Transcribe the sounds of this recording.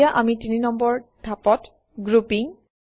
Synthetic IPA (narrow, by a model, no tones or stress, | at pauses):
aʔamitininɔmbɔɹdʱapɔt | ɡɹupiŋ